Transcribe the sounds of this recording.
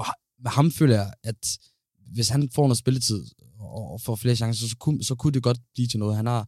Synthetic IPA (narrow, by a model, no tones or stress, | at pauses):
ɒ̽h | mehɑ̈mfø̰ːlɐjɑ̈æd̥ | ʋe̝shænfɒ̰ːnosbe̝lət͡sʰið̞̰ˠ | ɒːfɒ̰fle̝ːɐɕɑ̈ŋsɐsɒkʰusɒ̽kʰud̥e̝ɡ̥ɒ̽d̥̚b̥liːt͡sʰe̝nɔ̽ːðˠɦænhɑ̈